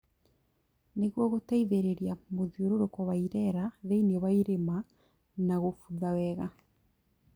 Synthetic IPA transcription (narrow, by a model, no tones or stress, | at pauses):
neɣwɔɣotaiðeɾeɾjamoðioɾoɾokɔβaiɾɛɾaðeiniɔβaiɾema | naɣofuðawɛɣa